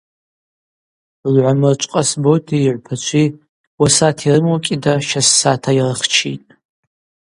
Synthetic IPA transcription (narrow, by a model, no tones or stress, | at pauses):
lʕʷamɨrt͡ʃʷʼqʼasbojtʰiːʕʷpʰat͡ʃʷʰi | wasatʰirɨmokʲʼidaʃasːatʰairɨχt͡ʃʰḭtʼ